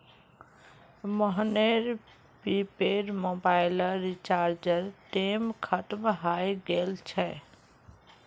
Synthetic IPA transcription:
məɦneɾ | pipeɾmobaɪləɾit͡ʃaɾd͡ʒəɾʈemkʰət̪mɦajɡelt͡ʃʰɛ

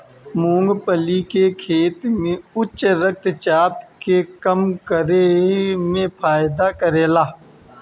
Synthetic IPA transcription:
mũːŋɡpəlikekʰeːt̪mẽʊt͡ʃɾək̚t̪t͡ʃaːp̚kekəmkəɾemẽpʰaːɪd̪akəɾeːlaː

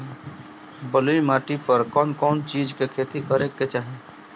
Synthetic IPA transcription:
bəluimaːʈipəɾkɔːnkɔːnt͡ʃiːd͡ʒkekʰeːt̪ikəɾekːet͡ʃaːɦe

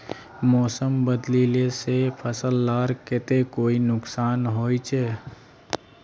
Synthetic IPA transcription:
mɔːsəmbəd̪lilesepʰəsəlːaːɾkɪt̪ekoːinʊksaːnɦoːit͡ʃʰe

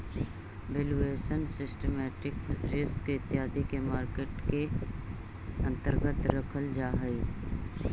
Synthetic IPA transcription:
ʋeːlueːʃənsɪsʈemɛːʈɪkɾɪsket̪ːɪɦaːd̪ikemaːɾkeːʈke | ə̃nt̪əɾɡət̪ɾəkʰəld͡ʒaːɦəi

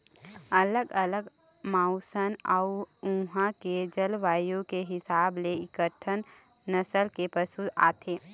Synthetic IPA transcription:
ɐləɡələɡ | mãːʊsənaʊũɦãked͡ʒəlʋaːjõkeɦɪsaːbleɪkəʈʰənː | əsəlkepəsua̰ːt̪ʰeː

